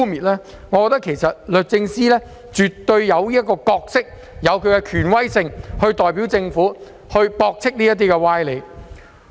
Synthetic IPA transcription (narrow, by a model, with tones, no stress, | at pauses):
miː˨t̚lɛː˥ | ŋɔː˨˧kɔː˧t̪ɐ˥kʰe˨˩jsɐ˨t̚lɵ˨˩t̚t͡sɪ˧ŋsiː˥lɛː˥ | t͡ʃyː˨t̪ːɵ˧ɥjɐ˨˧wliː˥t̚kːɔː˧kɔː˧k̚sɪ˥k̚ | jɐ˨˧wkʰɵ˨˧ɥkɛ˧kʰyː˨˩nwɐ˥jsɪ˧ŋhɵ˧ɥt̪ɔː˨jpi˨˥wt͡sɪ˧ŋfuː˨˥ | hɵ˧ɥpɔː˧k̚t͡sʰɪ˥k̚niː˥jɐ˥t̪̬iː˥kɛ˧waː˥jle˨˧j